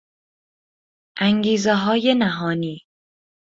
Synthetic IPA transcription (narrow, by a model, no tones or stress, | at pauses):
ʔæŋɡiːzeɦɒːje̞næɦɒːniː